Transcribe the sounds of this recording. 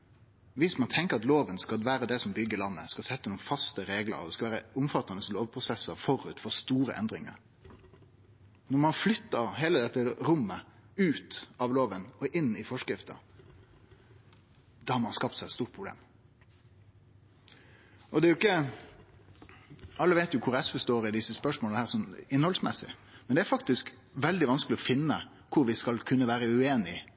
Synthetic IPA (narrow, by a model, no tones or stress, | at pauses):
ʋɪsmɑnt̪ʰɛŋkəɾɑt̪loːʋənskɑlʋæːɾəd̪ɛsɔmbʏɡːəlɑnːə̰skɑsɛt̪ːənuːənfɑst̪əɾeːɡlə̰ɾɔd̪ɛskɑʋæːɾəʊmfɑt̪ːɑnəsloːʋpʰɾʊsɛsəɾfɔɾʉt̪fɔʁst̪uːɾə̰ʔɛ̰nd̪ɾɪŋə̰ɾ | nɔɾmɑnflʏt̪ːəɾɦeːləd̪ɛt̪ːəɾʊmːəʉːt̪ɑʋloːʋənɔʔɪnːɪfɔʂkɾɪft̪ə̰ | d̪ɑhɑɾmɑnskɑft̪sæɪt̪st̪uːɾpʰɾʊblḛːm | ʔɔd̪ɛæɾjʊɪkːə | ɑlːəʋeɪt̪jʊkʰʊɾɛsfəst̪oːɾɪd̪ɪsːəspœʂmɔləhæːʁsɔmɪnhɔlsmɛ̰sɪ̰mɛnd̪ɛæɾfɑkt̪ɪsk | ʋɛld̪ɪʋɑnskəlɪɔfɪnːə | kʰʊɾʋɪskɑlkʰʉnːəʋæːɾəʉeːnɪ